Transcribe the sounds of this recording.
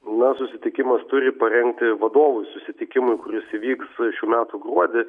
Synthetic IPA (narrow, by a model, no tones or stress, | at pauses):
nɐsʊsʲɪt̪ʲɪkʲɪmɐst̪ʊɾʲɪpɐɾʲɛŋʲk̚t̪ʲɪʋɐd̪oːʋʊjsʊsʲɪt̪ʲɪkʲɪmʊɪkʊrʲɪsiːʋʲiːksʃʲuːmʲæːt̪uɡruɔd̪ʲɪ